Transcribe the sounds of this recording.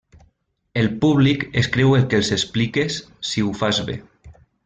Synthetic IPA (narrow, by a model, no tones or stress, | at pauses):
elpuβlikeskɾewelˠkelˠsesplikesː | iufazβḛ